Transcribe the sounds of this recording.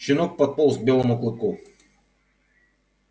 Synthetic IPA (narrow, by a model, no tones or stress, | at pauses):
t͡ʃɪnɔk̚pɐt̪̚pɔlˠzbʲɛlˠɔmʊklˠɨp̪ku